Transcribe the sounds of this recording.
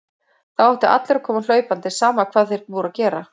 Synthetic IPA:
θawɛht̪ʏʔa̰t̪lɛɾakʰɔːmal̥œːɥpant̪ɪ̥saːmakʰvaːðθejɾpuːɾacɛːɾa

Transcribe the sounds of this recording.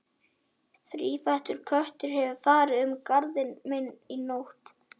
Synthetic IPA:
θɾiːfajht̪ʏɾ̥kʰœht̪ʏɾ̥hɛvʏfaːɾɪʏmkaɾðɪnmɪnːinowht̪

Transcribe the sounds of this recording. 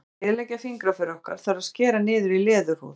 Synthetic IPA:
ɪðlɛjcafiŋkɾafœɾɔhka̰ɾ̥θaɾaðscɛːɾanɪːðʏɾilɛːðʏhṵːð

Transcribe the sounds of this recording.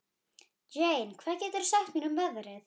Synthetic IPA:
d͡ʒejnkʰvaːðcɛːt̪ʏɾsaht̪miːnʏmvɛðɾɪθ

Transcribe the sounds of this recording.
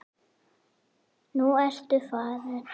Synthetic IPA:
nuɛr̥t̪ʏfaːðɪ̥

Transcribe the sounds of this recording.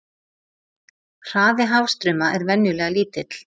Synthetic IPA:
r̥aːðɪɦaːwst̪ɾʏːmaʔɛɾvɛnjʏlɛːɣaliːt̪ɪt̪l̥

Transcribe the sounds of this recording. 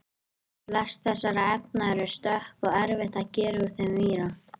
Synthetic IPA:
lɛst̪θɛsːaɾaɛp̚naɛɾʏst̪œhpɔɣɛɾvɪht̪aðcɛːɾʏuɾ̥θɛmviːɾa

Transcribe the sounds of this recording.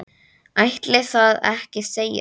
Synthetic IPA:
ajht̪lɛɣθaðɛhcɪseːja̰

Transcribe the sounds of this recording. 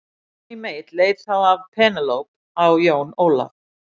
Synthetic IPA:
imejt̪leːjt̪θawavpʰɛːnalowp̚ | awjownoːla̰v

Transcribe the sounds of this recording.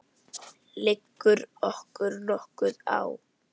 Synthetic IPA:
lɪkːʏɾɔhkʏɾnɔhkʏða̰w

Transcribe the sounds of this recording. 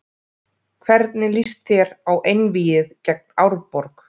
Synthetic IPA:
kʰvɛɾt̪nɪlist̪θjɛɾawʔejnviːjɪðcɛk̚nawɾpɔɾk

